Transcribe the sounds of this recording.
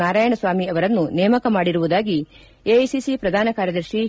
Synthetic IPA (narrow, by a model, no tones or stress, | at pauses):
aːɾaːjɐɳɐsʋaːmiɐʋɐɾɐnːunɛːmɐkɐmaːɽiɾuʋud̪aːɡi | ejsisipɾɐd̪ʱaːnɐkaːɾjɐd̪ɐɾʃi